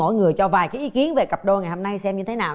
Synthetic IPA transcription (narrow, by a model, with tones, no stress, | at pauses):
o̰˧˨jŋɨ˨˩əjt͡ɕɔ˧vaː˨˩jkaː˨˦jʔi˨˦ki˨˦ənve˨˩kə˨˩p̚ɗo˧ŋa˨˩jho˧na˧jsɛ˧mɲɨ˧t̪ʰe˨˦naː˨˩